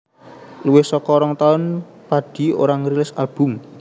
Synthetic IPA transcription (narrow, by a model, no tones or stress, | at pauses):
luwɪhsɔkɔɾɔŋt̪aʊn | paɖ̥i̤o̰ɾaŋɾilɪsalb̥ʊ̤m